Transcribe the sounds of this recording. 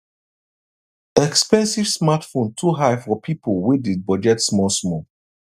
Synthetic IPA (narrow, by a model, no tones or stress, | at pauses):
ɛkspɛ̃nsiv̥smatfõntʰuɦajfɔpʰipolwidibɔd͡ʒɛtsmɔsmɔ